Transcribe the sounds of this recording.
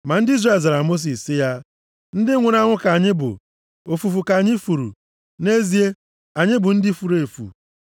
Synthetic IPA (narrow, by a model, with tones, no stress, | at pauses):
ma˨n̩˦dɪ˦i˦zre˦˨za˨ɾa˨mo˦s̬i˨sːɪ˦ja˦ | n̩˦dɪ˦ŋʷʊ˨ɾa˦ŋʷʊ˦ka˨ɲɪ˦bʊ̰˨ | o˨fu˨fu˨ka˨ɲɪ˦fu˨ɾṵ˨ | ne˦zi˨e˦ | a˨ɲɪ˦bʊ˨n̩˦dɪ˦fu˨ɾe˨fṵ˨